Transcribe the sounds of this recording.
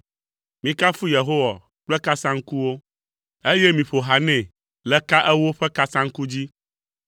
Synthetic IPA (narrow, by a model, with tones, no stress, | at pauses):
mĩ˨ka˦fu˦je˨ɦo˦wa̰˨ | k͡plɛ˦ka˦sã˦ŋ̩˦ku˦wo˦ | e˦jɛ˦mĩ˨ɸo˨ɦa˨nɛ̃˨ | lɛ˨ka˦ʔɛ˦wo˦ɸɛ˦ka˦sã˦ŋ̩˦ku˦d͡ʑi˦